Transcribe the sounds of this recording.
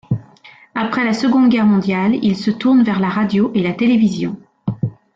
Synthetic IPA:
apχɛlasəɡɔ̃d̪ɡʲɛʁmɔ̃d̪jalilsət̪uʁnvɛʁlaʁad̪joʔelat̪elevizjɔ̰̃

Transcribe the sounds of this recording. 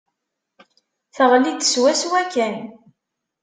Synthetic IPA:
θəʁlid̪swæswækːæn

